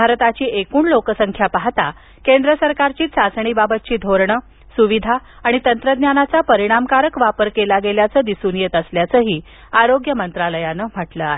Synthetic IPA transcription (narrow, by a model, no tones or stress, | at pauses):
bʱaɾt̪at͡ɕiːekuːɳlokəsəŋkʰjapaɦt̪a | kend̪ɾəsəɾkaɾt͡ɕiːsasɳ̃iːbabət̪̚t͡ɕiːd̪ʱoɾɳə | suʋid̪ʱaː | ɽ̃it̪ənt̪ɾəd̪njanat͡sapəɾiɽ̃amkaɾəkʋapəɾkelaɡeljat͡səːd̪isuːnjet̪əsljat͡səːɦiː | aɾoɡjəmənt̪ɾaləjanəm̤əʈləaɦe